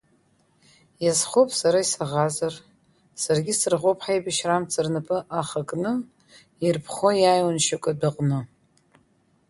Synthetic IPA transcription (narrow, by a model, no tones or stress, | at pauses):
jazχopʼsaɾaisaʁazar | sarɡʲɪsɨrʁʷopʰʼħajbaʃramt͡sʰʼɨrnɨpʼɨʔaχakʼnɨ | irpʰχojajwanʃakʷʼadaqʼnɨ